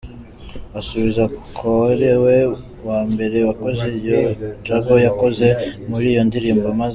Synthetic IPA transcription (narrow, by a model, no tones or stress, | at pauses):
asuβizakʰoeɾewe | waːmbe̞ɾe̞wako̞zijod͡ʒaɡo̞jako̞ze̞muɾiːjo̞ndiɾiːmbomaz